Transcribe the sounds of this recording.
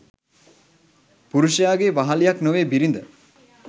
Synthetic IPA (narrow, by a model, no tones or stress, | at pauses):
puɾuʃijaːɡeʋaɦalijaknoʋeːbiɾind̪ə